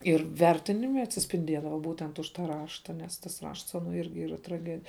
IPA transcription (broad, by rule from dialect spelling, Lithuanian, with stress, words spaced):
ɪr ˈʋʲɛrʲtʲɪnʲɪmʲɛ ɐtʲsʲɪsʲpʲɪnʲˈdʲiɛdɐʋɐ ˈbuːtʲɛnt ʊʃ tɐ ˈrɑːʃtɐ nʲɛs tɐs ˈrɐʃts ˈɑːnoː ˈɪrʲɡʲɪ ˈiːrɐ trɐˈɡʲæːdʲɪ